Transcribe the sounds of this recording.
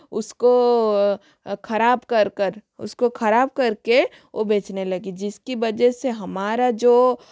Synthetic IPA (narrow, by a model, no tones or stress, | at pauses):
ʊsko | kʰɐɾaːbkɐɾkəɾʊ̰skokʰɐɾaːb̚kɐɾke | ʋobeːt͡ʃnelɐɡid͡ʒɪskiʋɐd͡ʒɛseɦɐmaːɾad͡ʒoː